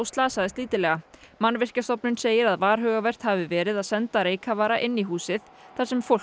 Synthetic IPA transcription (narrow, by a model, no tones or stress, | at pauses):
wst̪laːsaðɪst̪liːt̪ɪlɛːɣamanːvɪr̥cast̪ɔpnʏnseːjɪɾaðvaːɾ̥ɦœːɣavɛr̥t̪havɪvɛːɾɪðaðsɛnt̪aɾeːjkʰavaːɾaʔɪnːiɦuːsɪð | θḁsɛmfowl